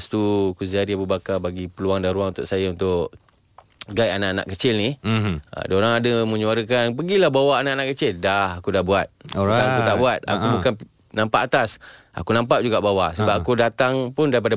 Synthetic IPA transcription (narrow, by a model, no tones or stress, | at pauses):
st̪ukuzaɾiabubakabaɡipəluwaŋdanɾuaŋunt̪ʊʔsajaunt̪ʊʔ | ɡajanaʔana̰ʔkət͡ʃɪlnḭ | daoɾaŋadamə̃ɲuaɾək̬anpəɡilahbawaːnaʔanãʔkət͡ʃɪldahakudabuat̪̚t̪aŋakut̪aʔbuat̪̚a̰kubukan | nãmpaʔːt̪asa̰kunãmpaʔd͡ʒuɡabawasəbapakudat̪aŋpʊndaɾip̬ada